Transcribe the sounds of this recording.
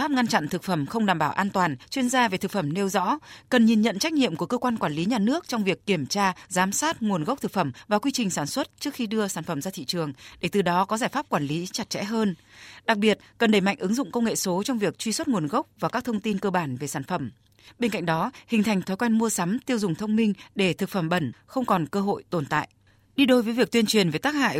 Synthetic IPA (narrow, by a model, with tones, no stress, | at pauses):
faː˦˥p̚ŋa˧nt͡ɕa̰˧˨nt̪ʰɨ˨˩k̚fə˧˩mxə˧wŋ͡mɗaː˨˩mɓaː˧˩ʔaː˧nt̪waː˨˩nt͡ɕwi˧ənzaː˧ve˨˩t̪ʰɨ˨˩k̚fə˧˩mne˧wzɔ̰˧˥kə˨˩nɲi˨˩nɲə̰˧˨nt͡ɕa˦˥jk̟̚ɲḭ˧˨əmku˧˩əkəː˧kwaː˧nkwaː˧˩nli˨˦ɲaː˨˩nɨ˦˥ək̚t͡ɕɔ˧wŋ͡mvi˨˩əkːi˧˩əmt͡ɕaː˧zaː˨˦msaː˦˥t̚ŋu˨˩ənɣə˦˥wk͡p̚t̪ʰɨ˨˩k̚fə˧˩mvaː˨˩kwi˧t͡ɕï˨˩ŋ̟saː˧˩nswə˦˥t̚t͡ɕɨ˦˥əkxi˧ɗɨ˧əsaː˧˩nfə˧˩mzaː˧t̪ʰḭ˧˨t͡ɕɨ˨˩əŋɗe˧˩t̪ɨ˨˩ɗɔ˨˦kɔ˨˦zaː˧˩jfaː˦˥p̚kwaː˧˩nli˨˦t͡ɕa˨˩t̚t͡ɕɛ̰˧˥ɦəː˧nɗa˨˩k̚ɓi˨˩ət̚kə˨˩nɗe˧˩ma̰˧˨jŋʔɨ˨˦ŋzʊ̰˧˨ŋ͡mkə˧wŋḛ˧˨so˨˦t͡ɕɔ˧wŋ͡mvi˨˩ək̚t͡ɕwi˧swə˦˥t̚ŋu˨˩ənɣə˦˥wk͡p̚vaː˨˩kaː˦˥k̚t̪ʰə˧wŋ͡mt̪i˧nkəː˧ɓaː˧˩nve˨˩saː˧˩nfə˧˩m | ɓe˧nka̰˧jŋ̟ɗɔ˨˦hï˨˩ŋ̟t̪ʰa˨˩jŋt̪ʰɔ˨˦jkwɛ˧jnmu˧əsa˨˦mt̪i˧əwzʊ˨˩ŋ͡mt̪ʰə˧wŋ͡mmï˧ŋ̟ɗe˧˩t̪ʰɨ˨˩k̚fə˧˩mɓə̰˧˩nxə˧wŋ͡mkɔ˨˩nkəː˧ɦo̰˧˨jt̪o˨˩nt̪a̰ː˧˨jʔ | ɗi˧ɗo˧jvə˨˦jvi˨˩ək̚t̪wi˧ənt͡ɕwi˨˩ənve˨˩t̪aː˦˥k̚ha̰ː˧˨j